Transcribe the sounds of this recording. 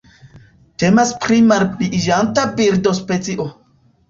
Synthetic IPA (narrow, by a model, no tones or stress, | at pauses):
te̞maspɾimaɾpiʔʒantabiɾdospet͡siʔo